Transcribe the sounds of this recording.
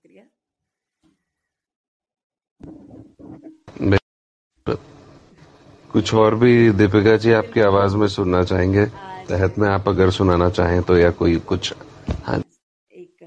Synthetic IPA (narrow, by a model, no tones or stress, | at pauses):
be | kʊt͡ʃʰɔːɾbʱid̪ɪp̬eɡad͡ʒiaːp̚keaːʋaːzmẽsʊnnat͡ʃaːɦẽːŋɡet̪ɛɦət̪mẽaːpɐɡəɾsʊnaːnat͡ʃaːɦẽt̪ojakoːikʊt͡ʃʰhã̰